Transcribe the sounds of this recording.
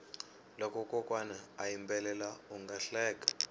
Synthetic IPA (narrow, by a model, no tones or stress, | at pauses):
lɔkʼɔkʼɔkʼwanaajimbɛlɛlauŋɡaɬɛːk̬ʼḁ